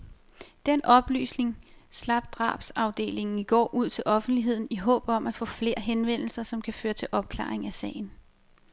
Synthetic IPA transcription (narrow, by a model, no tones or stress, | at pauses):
d̥en̰ʔɒ̽b̥ly̰ːsne̝ŋslɑ̈b̥̚d̥ʁɑ̰̈ːb̥sɑ̈ʊd̥e̝̰ːle̝ŋn̩iɡ̥ɒ̰ːʔuð̞̰ˠt͡sʰe̝lʔɒ̽fn̩d̥liɦe̝ð̞̰ˠn̩iɦɔ̰̽ːb̥ɒ̽mæfɒ̰̽ːfle̝ːɐɦenʋen̰l̩sɐsɒ̽mkʰæføːɐt͡sʰe̝lʔɒ̽b̥̚kʰlɑ̰̈ːeŋæsɛ̰ːɪn̩